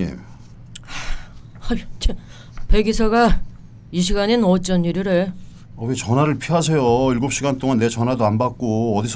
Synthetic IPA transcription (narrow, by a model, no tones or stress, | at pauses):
ḛ | at͡ɕe | pe̞ɡisʰʌɡa | iɕʰiɡaɲenʌt͡ɕ͈ʌniɾɯɾɯɭ | ʌɡet͡ɕʌnwaɾɯɭpʰiɦasʰejoiɭɡop̚ɕ͈iɡant͈oŋanːe̞t͡ɕʌnɦwadoanbak̚k͈oːdisʰ